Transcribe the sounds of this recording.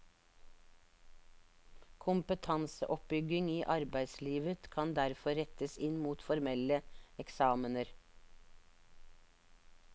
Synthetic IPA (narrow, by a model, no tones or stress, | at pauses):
kʰʊmpət̪ʰɑnsə̰ʔɔp̚bʏɡɪŋiːʔɑɾbæɪsliːʋət̪kʰɑnd̪æɾfɔɾɛt̪əsɪnmuːt̪fɔɾmɛləɛksɑːmənəɾ